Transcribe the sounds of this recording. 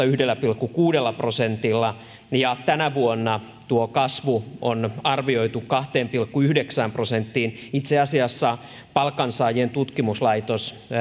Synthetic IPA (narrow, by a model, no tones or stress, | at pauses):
ɑyhdelːæpilkːukuːdelːɑprosent̪ilːɑ | jɑt̪ænæʋuonːɑ | t̪uokɑsʋuonɑrʋio̞it̪ukkɑht̪eːmpilkːuyhdeksæːmprosent̪ːiːnit̪seɑsiɑsːɑ | pɑlkːɑnsɑːjent̪ut̪kimuslɑit̪os